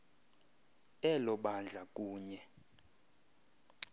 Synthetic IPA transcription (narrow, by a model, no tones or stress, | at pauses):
ɛlɔɓand͡ɮʱakʼuːɲɛ